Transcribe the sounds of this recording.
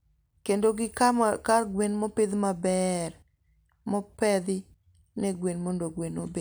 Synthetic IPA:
kendoɡɪkakaɡwenmɔpɪd̪mabɛr | mɔpɛd̪ɪ | nɛɡwenmondoɡwenobe

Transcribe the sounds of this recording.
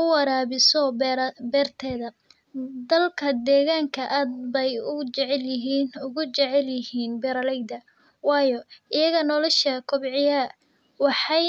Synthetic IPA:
ʊwɑɾaːβɪsɔbɛːrt̪ʰɛːðɐ | d̪ɐlkʰɐd̪ɛːɣaːŋkʰɐʔaːd̪̚bɛjʊt͡ʃɛʕɛljɪɦiːnʊɣʊt͡ʃɛʕɛljɪhiːnbɛɾɐlɛjd̪ɐ | wɑːjɔɪjɐɣɐnɔlɔʃɐkʰʊbʕɪjɐ | wɑħɑj

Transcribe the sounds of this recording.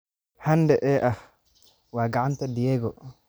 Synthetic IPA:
handɛʔɛːʔah | waːɡaʕant̪adijɛɡɔ

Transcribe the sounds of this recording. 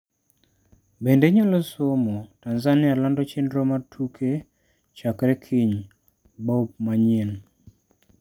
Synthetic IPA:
bendeɲolosomotanzanɪalandɔt͡ʃendɾomatʰukʰe | t͡ʃakɾɛkʰɪɲ | bɔop̚maɲin

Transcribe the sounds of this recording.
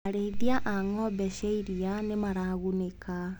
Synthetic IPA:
aɾeðiaʔaŋɔbɛʃeiɾianemaɾaːɣuneka

